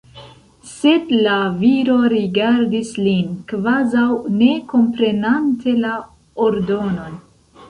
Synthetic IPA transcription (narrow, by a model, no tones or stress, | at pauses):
se̞dlaviɾo̞ɾiɡaɾdislinkvazawne̞ko̞mpɾe̞nantʰe̞la | oɾdo̞no̞n